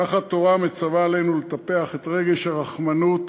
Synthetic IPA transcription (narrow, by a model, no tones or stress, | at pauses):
aχhat̪o̞ʁamet͡savaːlenulet̪ape̞aχet̪ʁe̞ɡe̞ʃhaʁaχmanut